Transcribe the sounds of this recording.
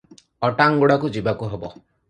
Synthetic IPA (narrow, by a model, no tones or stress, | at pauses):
ɔʈaŋɡoɽakud͡ʒibakuɦebɔ̰